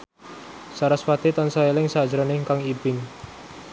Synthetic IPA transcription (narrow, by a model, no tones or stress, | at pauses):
saɾaswat̪it̪ɔnsɔelɪŋsḁd͡ʒɾɔnɪŋkaŋibɪŋ